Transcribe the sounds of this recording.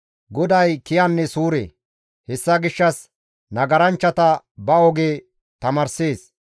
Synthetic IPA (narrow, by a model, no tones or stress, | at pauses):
ɡɔd̪ɐjkɪjɐnːɛsuːɾḛː | hɛsːɐɡɪʃːɐs | nɐɡɐɾɐnt͡ʃːɐt̪ɐ | bɐɔɡeː | t̪ɐmɐɾseːs